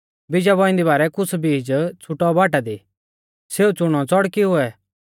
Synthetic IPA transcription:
bɪd͡ʒabɔɪ̃nd̪ibaːɾɛkʊsbiːd͡ʒt͡sʰʊʈɔbaːʈad̪i | seːut͡sʊɽ̃ɔ̃t͡sɔɽkiɦʊɛ

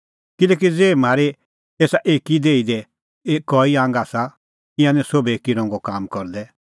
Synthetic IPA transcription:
kɪlɛːk̬id͡zeːm̤aːɾɛ | eːsaʔeːkid̪eːid̪ɛ | eːkɔːiãːŋɡaːsa | ɪ̃ãnɛ̃soːbɛeːkiɾɔ̃ːŋɡɔkaːmkɔɾd̪ɛ

